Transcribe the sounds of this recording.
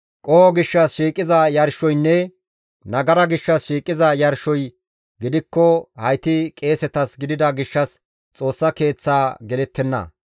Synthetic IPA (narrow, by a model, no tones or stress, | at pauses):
kʼɔwɔɡɪʃːɐsʃiːkʼːɪzɐjɐɾʃɔjnːɛ | nɐɡɐɾɐɡɪʃːɐsʃiːkʼɪzɐjɐɾʃɔj | ɡɪd̪ɪkːɔhɐjt̪ɪkʼe̞ːsɛt̪ɐsɡɪd̪ɪd̪ɐɡɪʃːɐs | t͡sʼo̞ːsːɐke̞ːt͡sːaːɡɛlɛt̪ːɛnːɐ̰